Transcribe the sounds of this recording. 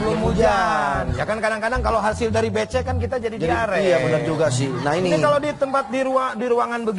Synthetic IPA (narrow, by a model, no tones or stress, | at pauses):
bəlʊmud͡ʒand͡ʒakankadaŋkadaŋkaloɦasɪldaɾibet͡ʃɛkankit̪ad͡ʒadidd͡ʒaiaɾɛjabənərd͡ʒuɡasɪnainiikalodit̪əmpat̪̚diɾuadiɾuaŋanbəɡ